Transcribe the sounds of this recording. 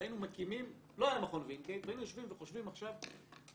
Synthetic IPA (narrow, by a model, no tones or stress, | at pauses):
jinumakimim | loajamaχonvinketvainujoʃvimveχoʃvimaχʃav